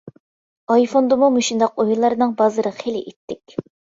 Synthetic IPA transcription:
ɑjfond̪ɨmumuʃund̪ɑqojulˠːɑɾɨnɨŋbɑzɨɾɨχelɪ̰ʔit̪ʰːɪkʲ

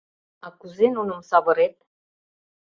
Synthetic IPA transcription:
akuzenonəmsɑvəɾet̪̚

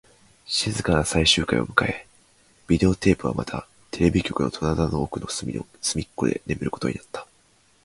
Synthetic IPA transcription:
ɕizɨkanasaiɕɨːkaḭo̞̰mɯ̟kae̞ | b̥ʲid̪e̞o̞t̪e̞ːpɯ̟βa̰mat̪ʰa̰ | t̪ʰe̞ɾe̞bʲikʲo̞kɯ̟no̞t̪ʰonad̪anoːkɯ̟no̞sɨmʲikːo̞d̪e̞̰ne̞mɯ̟ɾɯ̟ko̥t̪o̞ɲinat̪ːḁ

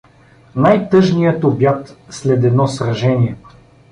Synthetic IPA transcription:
najt̪ɤʒnijət̪objat̪slɛd̪ɛd̪nɔsɾɐʒɛniɛ

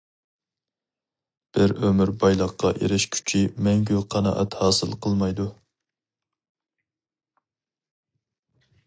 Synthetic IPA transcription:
b̥ɪɾømɪɾbɑjlˠəqːɑʔḛɾɪʃkʲʰy̥t͡ʃʰimɛŋɡʲyqʰɑnɑ̰ʔɛ̰t̪hɑːsɨlˠqʰəlˠmɑjd̪u

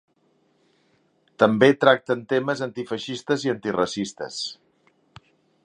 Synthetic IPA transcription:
t̪əmbet̪ɾak̚t̪ənt̪eməzənt̪ifəʃist̪əziənt̪irəsist̪ə̰s

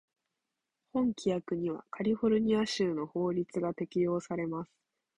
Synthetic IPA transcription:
hõ̞ŋkʲijakɯ̟ɲ̟iβa̰kʰaɾʲiɸo̞ɾɯ̟ɲ̟iaɕɨːno̞ho̞ːɾʲit͡sɨɡat̪e̞kʲijo̞ːsaɾe̞masɨ̥

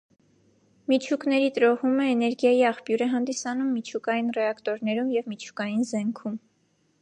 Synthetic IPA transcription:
mit͡ʃʰuknɛɾit̪əɾɔʁuməɛnɛɾɡjɑjiɑχpjuɾɛɦɑnd̪isɑnumːit͡ʃʰukɑjinrɛɑkt̪ɔɾnɛɾumjɛvmit͡ʃʰu̥kɑjinzɛŋkʰum

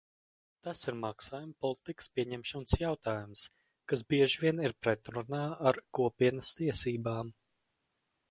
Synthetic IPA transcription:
t̪asiɾmaksaːjumpɔlˠit̪ikə̥spʲiɛɲɛmʃɔnsjawt̪aːjums | kas̬biɛʒvʲiɛniɾpɾɛt̪ɾunaːaɾkuɔpiɛnɐst̪iɛsiːbaːm

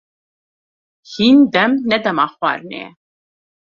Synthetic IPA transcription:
hiːnd̪ɛmnɛd̪ɛmɑxwɑ̰ːɾnḛː

